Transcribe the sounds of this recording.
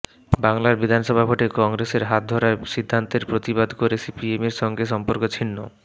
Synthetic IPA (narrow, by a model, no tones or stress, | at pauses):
baŋlaɾbid̪ʱanʃɔbʱabʱoʈekɔŋɾeseɾɦat̪̚d̪ʱɔɾaʃid̪ʱːant̪eɾpɾot̪ibad̪ʱkoɾesipiemeɾʃɔŋɡeʃɔmpoɾkot͡ɕʰinːo̰